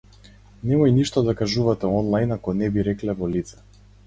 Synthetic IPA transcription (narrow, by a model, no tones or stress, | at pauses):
nɛmɔjniʃt̪ɔd̪akaʒuvat̪ɛɔnlˠajnakɔnɛbiɾɛklɛvɔlit̪sɛ̥